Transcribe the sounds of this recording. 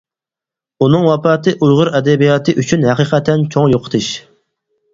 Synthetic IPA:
unɨŋwɑpɑːt̪ɨʔujʁʊɾɛd̪ɛbijɑːt̪ʰɨʔyt͡ʃʰynhæqiqʰɛt̪ʰːɛnt͡ʃʰoŋjoqʰt̪ʰɨʃ

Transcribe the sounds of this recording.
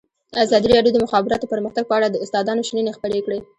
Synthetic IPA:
azɑd̪iɾɑɖjod̪əmʊxɑbɪɾɑt̪opəɾməxt̪aɡ̚pəaɽad̪əʊst̪ɑd̪ɑnoʃninexpəɽekɽe

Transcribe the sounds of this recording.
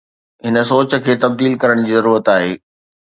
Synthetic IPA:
ɦɪnə̆soːt͡ɕə̆kʰeːt̪ɐb̚d̪iːlkɐɾəɽ̃d͡ʑiːzɐɾuːɾət̪aːɦeː

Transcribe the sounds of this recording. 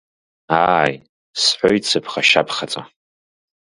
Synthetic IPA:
aj | sħʷojt͡sʰɨpʰχaʃa̰pʰχat͡sʼa

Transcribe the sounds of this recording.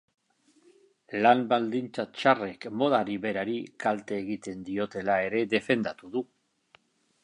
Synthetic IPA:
lambald̪int͡sat͡ʃare̞kmo̞ðaɾiβe̞ɾaɾikalt̪e̞ːɣit̪e̞nd̪io̞t̪e̞lae̞ɾe̞ðe̞fe̞nd̪at̪uðu

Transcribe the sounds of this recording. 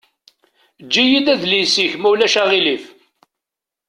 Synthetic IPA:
d͡ʒːijid̪æðlisiçmæwlæʃæʁilif

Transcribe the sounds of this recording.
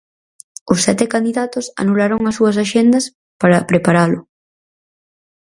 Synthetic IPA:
ʊsːɛt̪ɪkand̪iðat̪ʊsa̰nulaɾoŋɐsuɐs̬aʃend̪ɐs | paɾɐpɾepaɾalʊ

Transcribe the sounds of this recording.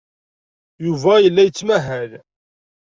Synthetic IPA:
juvæjəlːæjət͡sːmæɦæl

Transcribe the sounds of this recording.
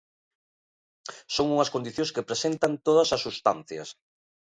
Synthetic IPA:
soŋuŋɐskond̪iθjõskepɾesent̪ɐnt̪oðɐsɐsust̪anθjɐ̰s

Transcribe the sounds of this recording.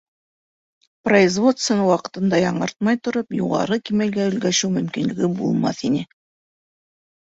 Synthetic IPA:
prɐizvo̞t̪st̪vʲɪnɑwɑqɤ̥̆t̪ɤ̆nd̪ɑjɑɴɤ̰ɾt̪̚mɑjt̪ŏɾopjṵʁɑ̰ɾɤkimælɡæɵ̆lɡæʃɘwmɵ̆mkinlɘ̆ɡɘbṵlˠmɑ̰θinɘ

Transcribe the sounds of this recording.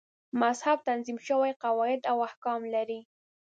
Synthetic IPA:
mazhab̚t̪anzimʃəwajqawɑɪd̪awahkɑmlaɾi

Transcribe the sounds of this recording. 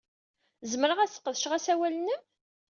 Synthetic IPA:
zəməɾəʁæsə̥qːəðʃʁæsæwælənə

